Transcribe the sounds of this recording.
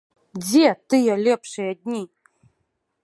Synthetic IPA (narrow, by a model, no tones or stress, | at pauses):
d͡zʲet̪ɨjalʲɛpʂɨjad̚ʲnʲi